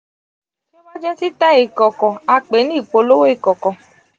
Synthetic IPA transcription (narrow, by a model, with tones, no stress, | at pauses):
to˦ba˦d͡ʒɛ˦si˦ta˦e˨kɔ˨kɔ˨a˧k͡pe˨˦nĩ˦i˨k͡po˧lo˦wo˦i˦˨kɔ˨kɔ˨